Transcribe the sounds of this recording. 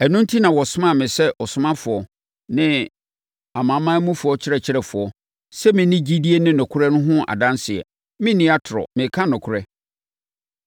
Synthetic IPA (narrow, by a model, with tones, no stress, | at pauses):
ɛ˨nʊ̃˦n˦tʰi˦nã˨wɔ˨sʊ˦mã˦˨mɪ̃˨sɛ˦ʔɔ˨sʊ˦mã˦fʊ˨ɔ˨ | nɪ̃˦ | a˨mã˨˦mã˦mũ˦fʊ˨ɔ˦t͡ɕʰɪ˦ɾɛ˨t͡ɕʰɪ˦ɾɛ˨fʊ˨ɔ˦ | sɛ˦mɪ̃˨nɪ̃˦d͡ʑi˦di˦e˦nɪ̃˦nʊ̃˨kʰʊ˦ɾɛ˦nʊ̃˦ɦʊ̃˦a̰˨dã˦nsɪ˨ɛ̰˨ | mɪ̃˦nĩ˦a˦tʰʊ˨ɾɔ̰˨mɪ̃˨kʰã˦nʊ̃˨kʰʊ˦˨ɾɛ˦